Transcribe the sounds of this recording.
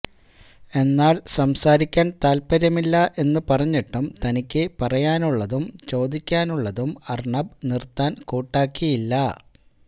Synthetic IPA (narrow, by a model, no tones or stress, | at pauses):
e̞nːaːlsɐmsaːɾikʲːaːnt̪aːlpɐɾjɐmilːɐʔe̞nːɨpɐrɐɲːiʈːumt̪ɐnikʲːɨpɐrɐjaːnuɭːɐðumt͡ɕo̞ːd̪ikʲːaːnuɭːɐðumɐrɳɐbnirt̪ːaːnkoːʈːaːkːijilːɐ